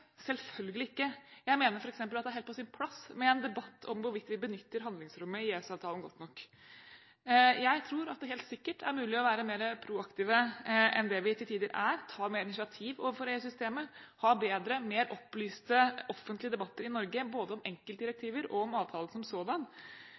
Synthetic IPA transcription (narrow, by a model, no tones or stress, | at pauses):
sɛlfœlɡəlɪɪkːəjæɪmeːnəɾfɔɾɛksɛmpəlɑt̪d̪ɛæhɛlpʰɔsɪnpʰlɑsmɛɛnd̪ɛbɑt̪ːɔmʋʊɾʋɪt̪ʋɪbənʏt̪ːəɾɦɑnd̪lɪŋsɾʉmːəɪeːsɑːʋt̪ʰɑːlənɡɔt̪ːnɔkː | jæɪt̪ʰɾuːɾɑt̪̚d̪ɛɦeːlt̪sɪkːəʈʰæ̰ɾmʉːlɪɔʋæːɾəmeːɾəpʰɾuɑkt̪iːʋəʔɛ̰nd̪ɛʋɪt̪ʰɪlt̪ʰiːd̪əɾʔæɾt̪ʰɑːmeːɾɪnɪʂɪɑt̪ʰiːʋɔfɔɾeːʉsʏst̪eːməhɑːbeːd̪ɾəmeːɾʔɔpːlyːst̪əɔfːənt̪lɪəd̪ɛbɑt̪ːəɾɪnɔɾɡəboːd̪əɔmɛŋkəlt̪d̪ɪɾɛk̚t̪ʰiːʋəɾɔɔmɑːʋt̪ʰɑːlən̩sɔmsoːd̪ɑn